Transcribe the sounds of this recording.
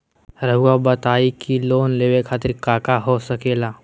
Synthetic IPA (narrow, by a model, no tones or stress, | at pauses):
ɾəɦuabət̪aikilonleʋekʰat̪əɾkakaɦosəkela